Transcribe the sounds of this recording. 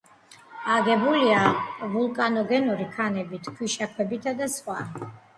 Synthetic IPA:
aɡɛbuliavulˠkʼanɔɡɛnɔɾikʰanɛbit̪ʰkʰwiʃakʰwɛbit̪ʰad̪asχwa

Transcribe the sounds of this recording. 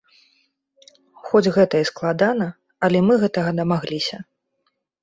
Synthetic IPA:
xɔd͡zʲɣɛt̪ɐjɛsklˠad̪anɐ | ɐlʲɛmɨɣɛt̪ɐɣɐd̪ɐmaɣlʲisʲɐ

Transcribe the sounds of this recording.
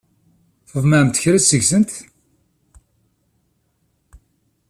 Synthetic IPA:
θəvmæmt̪əçɾæsəʝsənt̪

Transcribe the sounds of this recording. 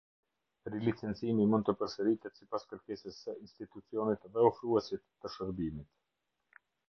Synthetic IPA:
ɾilit͡sɛnt͡simimund̪t̪əpəɾsəɾit̪ɛt̪sipaskəɾkɛsəsəinst̪it̪ut͡siɔnit̪ðɛɔfɾuɛsit̪ːəʃəɾbimit̪

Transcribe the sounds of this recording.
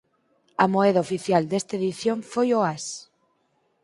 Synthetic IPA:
amoeðaofiθjald̪e̞st̪aeðiθjoɱfojoas

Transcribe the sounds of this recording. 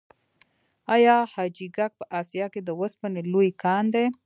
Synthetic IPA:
ɑjɑhɑd͡ʒiɡak̚pəʔɑsjɑked̪əwəspənelojkɑnd̪e

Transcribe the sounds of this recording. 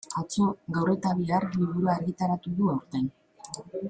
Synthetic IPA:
at͡so̞ɣawre̞t̪aβiarliβuɾuaːɾɣit̪aɾat̪uðuawɾt̪e̞n

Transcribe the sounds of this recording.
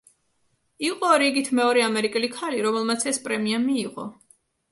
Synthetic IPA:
iqʼɔɾiɡit̪ʰmɛɔɾɛamɛɾikʼɛlikʰaliɾɔmɛlˠmat̪sʰɛspʼɾɛmiamiːqʼɔ

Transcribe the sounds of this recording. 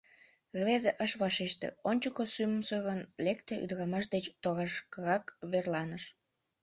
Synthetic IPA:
ɣβezeʔəʃβɑʃeʃt̪ḛonʲt͡ɕəkosyməmsəɣənlekt̪eʔy̰d̪əɾɑmɑʃ̬d̪et͡ɕt̪oɣɑʃkəɣɑkβerlɑnəʃ

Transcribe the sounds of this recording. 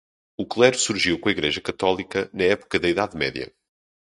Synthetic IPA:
uklˠɛɾusuɾʒiwkõɐiɣɾeʒɐkɐt̪ɔlˠikɐnɐɛpu̥kɐðɐiðaðmɛðjɐ̰

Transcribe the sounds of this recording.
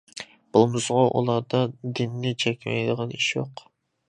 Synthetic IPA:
b̥olˠmɨsʁɑʔṵlˠɑɾd̪ɑd̪ɪnːɪt͡ʃʰɛkʲmɛ̰jd̪əʁɑniʃjo̰q

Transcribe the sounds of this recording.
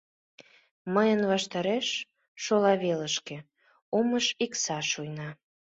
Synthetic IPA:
məjənβɑʃt̪ɑɾeʃ | ʃolɑβeləʃkĕ | oməʃiksɑʃujnɑ

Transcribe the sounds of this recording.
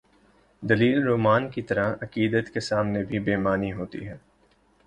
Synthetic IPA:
d̪ɐliːlɾoːmaːnkit̪ɐɾaɐkiːd̪ət̪kesaːmnebʱibeːmaːniɦoːt̪ḭɦɛː

